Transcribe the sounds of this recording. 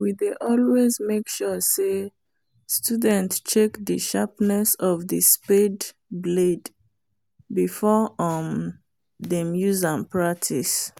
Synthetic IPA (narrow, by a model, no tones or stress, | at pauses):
wideʔɔlwezmekʃɔse | studɛ̃ntst͡ʃekðəʃapnɛsɔvðəsped | bled | bifɔɔm | ðemjuzãmpɹak̚tʰis